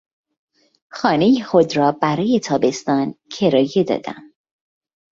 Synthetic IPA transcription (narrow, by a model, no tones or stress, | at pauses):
xɒːne̞jiːxo̞d̪ɾɒːbæɾɒːje̞t̪ʰɒːbe̞st̪ɒːncʰe̞ɾɒːje̞d̪ɒ̰ːd̪̥æ̰m